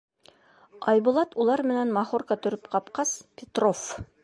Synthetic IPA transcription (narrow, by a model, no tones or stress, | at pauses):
ɑjbŭlˠɑt̪ulˠɑɾmɘ̆nænmɑχorkɑt̪ɵ̆ɾɘpqɑpqɑspʲet̪rof